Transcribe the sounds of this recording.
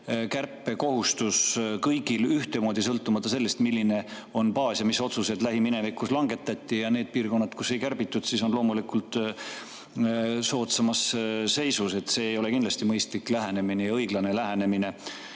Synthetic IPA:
kærpːˑe̞ko̞hust̪uskɤjɡ̥ilyht̪emo̞ːd̪̥ʲisɤlt̪ːˑumɑt̪ːˑɑse̞lːest̪milʲːine̞o̞npɑːsjɑmiso̞t̪suse̞d̪læɦimine̞vikːˑuslɑŋɡe̞t̪ːˑɑt̪ʲːˑijɑneːd̪̚piːrko̞nːɑd̪̥kuse̞jkærb̥it̪ːˑud̪̥siso̞nlo̞ːmulikult̪ˑ | so̞ːt̪sɑmɑsːe̞jsuse̞t̪se̞ːjo̞le̞kind̪lɑst̪imɤjst̪likˑlæɦene̞minejɑɤjɡ̥lɑne̞læɦene̞mine̞

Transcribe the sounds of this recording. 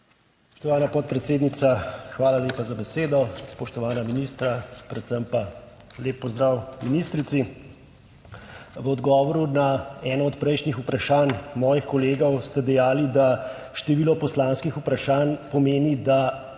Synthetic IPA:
sppɔ̥ʃt̪ɔʋaːnapɔt̪̚pɾɛt̪seːd̪nit̪saxʋaːlaleːpazabɛseːd̪ɔspɔʃt̪ɔʋaːnaminiːst̪ɾapɾɛt̪səmpa | leːpːɔzd̪ɾawminist̪ɾit̪si | ʋəɔd̪ɡɔːʋɔɾunaɛːnɔɔt̪pɾɛjʃnixupɾaʃaːnmɔːjixkɔleːɡɔwst̪ɛd̪ɛjaːlid̪a | ʃt̪ɛʋiːlɔpɔslaːnskixupɾaʃaːnpɔmeːnid̪a

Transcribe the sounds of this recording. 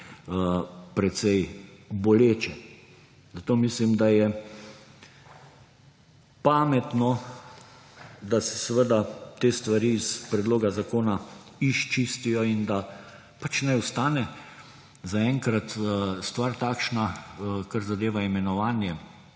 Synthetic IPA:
pɾɛt̪sɛjboleːt͡ʃɛ | zat̪oːmislimd̪ajɛ | paːmɛt̪nɔ | d̪asɛ̥səʋəd̪at̪eːst̪ʋaɾiːspɾɛd̪loːɡazakoːna | iʃt͡ʃist̪ijɔind̪a | pat͡ʃnɛjʊst̪aːnɛ | zaɛŋkɾat̪st̪ʋaɾt̪aːkʃnakaɾzad̪eːʋaimɛnɔʋaːnjɛ

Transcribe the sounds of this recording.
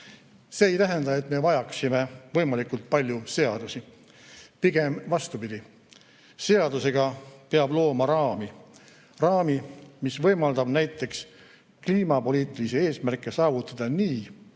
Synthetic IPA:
se̞ejt̪æɦend̪ɑe̞t̪me̞vɑjɑksime̞vɤ̞jmɑlikult̪̚pɑlʲjuse̞ɑd̪̥usi | piɡ̥e̞mvɑst̪upid̪̥i | se̞ɑd̪use̞ɡ̥ɑpeɑblo̞ːmɑɾɑːmi | rɑːmimisvɤ̞jmɑld̪ɑb̥næjt̪ːˑe̞ks | kliːmɑpo̞liːt̪ˑilisee̞ːsmærkːˑe̞sɑːvut̪ːˑɑd̪̥ɑniː

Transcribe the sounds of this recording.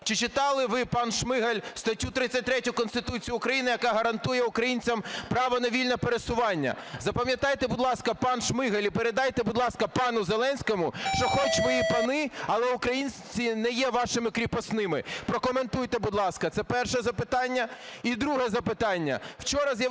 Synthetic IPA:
t͡ʃɪt͡ʃɪt̪ɑlˠɪʋɪpɑnʃmɪɦɐlʲst̪ɐtʲut̪ɾɪt͡sʲːɐt̚ʲt̪ɾɛtʲʊkɔnst̪ɪt̪ut͡sʲijʊʊkɾɐjinɪjɐkɑɦɐɾɐnt̪ujɛʊkɾɐjinʲt͡sʲɐmpɾɑʋɔnɐʋʲilʲnɐpeɾesʊʋɑnʲːɐ̰zɐpɐmʲjɐt̪ɑjt̪ɛbʊd̪lˠɑskɐpɑnʃmɪɦɐlʲipeɾed̪ɑjt̪ɛbʊd̪lˠɑskɐpɑnʊzelˠɛnʲsʲkɔmʊʃt͡ʃɔxɔt͡ʃʋɔjipɐnɪɐlˠɛʊkɾɐjinʲt͡sʲinɛjɛʋɑʃɪmɪkɾʲipɔsnɪmɪpɾɔkɔme̞nt̪ujt̪ɛbud̪lˠɑskɐt̪sɛpɛrʃɛzɐpɪt̪ɑnʲːɐid̪ɾuɦɛzɐpɪt̪ɑnʲːɐ̰wt͡ʃɔɾɐzʲjɐ

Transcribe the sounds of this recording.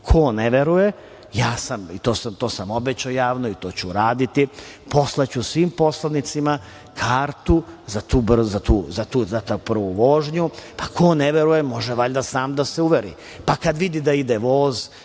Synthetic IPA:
kʰo̞neʋeɾuje | jaːsamit̪o̞ːsamt̪o̞ːsamo̞bet͡ɕaojaːʋnoit̪o̞ːt͡ɕuɾaːd̪it̪i | po̞slˠat͡ɕusʋiːmpo̞slˠanit̪sima | kʰaːɾt̪uzat̪uːbr̩zat̪uːzat̪uːzat̪apr̩ʋuʋo̞ːʒɲupakʰo̞neʋeɾujemo̞ʒɛʋaʎd̪asaːmd̪aseuʋeɾḭ | pakad̪ʋid̪id̪aid̪eʋoːz

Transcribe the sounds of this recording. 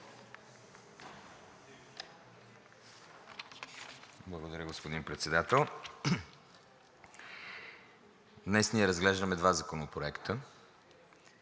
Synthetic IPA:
blˠəɡod̪ɐɾʲəɡospod̪inpɾɛt̪sɛd̪at̪ɛlˠ | d̪nɛsniɛɾɐzɡlɛʒd̪əmɛd̪vazɐkonopɾoɛkt̪ʰə

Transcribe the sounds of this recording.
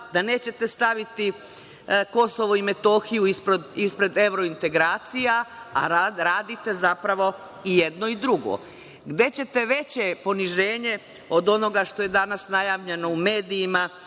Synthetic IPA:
d̪ane̞ːt͡ɕe̞t̪e̞st̪aʋit̪i | ko̞soʋoime̞t̪o̞xijuispɾod̪ispɾe̞d̪e̞ʋɾo̞int̪e̞ɡɾaːt̪sijaa̰ɾaɾaːd̪it̪e̞zapɾaʋo̞ | ijed̪no̞id̪ɾuɡo̰ | ɡd̪e̞t͡ɕe̞t̪e̞ʋe̞t͡ɕe̞po̞niʒeːɲe̞ | o̞d̪o̞no̞ɡaʃt̪o̞je̞d̪anasnajaːʋʎe̞no̞ume̞ːd̪ijima

